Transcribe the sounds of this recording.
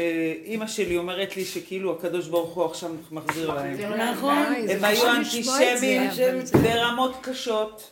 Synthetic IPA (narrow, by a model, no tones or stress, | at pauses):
eimaʃe̞lio̞me̞ʁet̪liʃekeiluakad̪o̞ʃbaʁuχuaχʃavmaχziʁlaemnnemajuant̪iʃemimve̞ʁamo̞t̪kaʃo̞t̪